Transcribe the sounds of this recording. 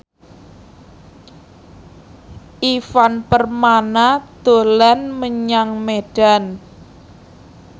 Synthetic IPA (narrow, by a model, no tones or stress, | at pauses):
ʔifanpərmanad̪̥o̤lanməɲaŋmeɖ̥a̤n